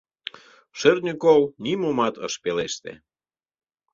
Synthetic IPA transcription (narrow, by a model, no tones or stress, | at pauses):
ʃernʲikownimomɑt̪ə̰ʃpeleʃt̪ḛ